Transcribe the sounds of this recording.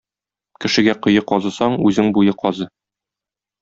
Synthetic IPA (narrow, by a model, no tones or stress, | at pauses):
kɘ̆ʃɘ̆ɡæqɤ̆jɤqɒzɤ̆sɑɴʉzɘŋbujɤqɒzɤ